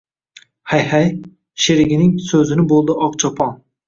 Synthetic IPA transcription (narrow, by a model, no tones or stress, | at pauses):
hajhaj | ʃeɾɪɡʲɪnɪŋsɵzɪnɪbolˠd̪ɪʔɒqt͡ʃʰɒpʰɑn